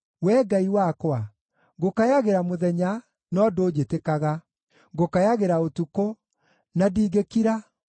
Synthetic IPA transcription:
wɛːɡaiwakwa | ɣokajaɣeɾamoðɛɲa | nɔdoːd͡ʑetekaɣa | ɡokajaɣeɾaotuko | nadiːɣekiɾa

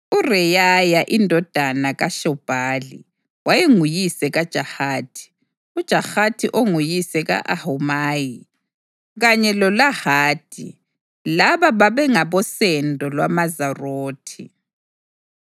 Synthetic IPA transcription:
urɛjajaʔindʱɔd̥ʱanaɣaʃɔb̥ʱaːlḭ | wajeŋujisɛɣad̥ʒ̥ʱahaːtʰi̥ | ud̥ʒ̥ʱahatʰiʔoŋujisɛɣa̰ʔahumaːji | ɣaɲɛlɔlahaːd̥ʰʱʼḭ | laβaβaβɛŋaβɔsɛndʱɔlwamazaroːtʰi

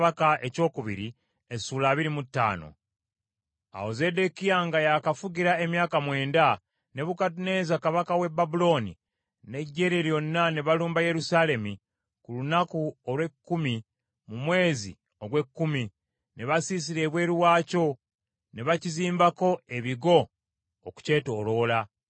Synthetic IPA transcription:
βakaʔe̞co̞ːkuβḭɾi | esuːlaːβiɾimutːa̰ːno̞̰ | a̰hoze̞ːde̞kijaŋɡajakafuɟiɾae̞mjaːkamwe̞ːnda | ne̞βukatune̞ːzakaβakawe̞babulo̞ni | ne̞ɟːe̞ːɾeɾjo̞nːaneβaluːmbaje̞ɾusale̞mi | kulunakuolwe̞kːumi | mumwe̞ːzḭ | o̞ɡwe̞kːumi | ne̞βasis̬iɾe̞βwe̞ːɾuwaːco̞ | ne̞βaciziːmbako̞e̞βiɡo̞ː | ku̥ce̞ːto̞ːlo̞ːla

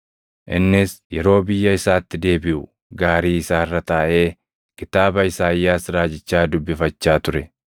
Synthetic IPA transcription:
ʔɪ̰nːɪsjɛɾo̞ːbɪjːɐɪsaːt̪ːɪd̪e̞ːbɪʔʊ | ɡaːɾiːɪsaːɪrːɐt̪aːʔe̞ː | kɪt̪aːbɐɪsaːjːaːsɾaːd͡ʒɪt͡ʃːaːd̪ʊbːɪfɐt͡ʃːaːt̪ʊɾɛ

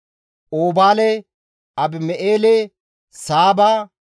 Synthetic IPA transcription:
oːbaːlɛ | ɐbɪmɛʔeːlɛ | saːbaː

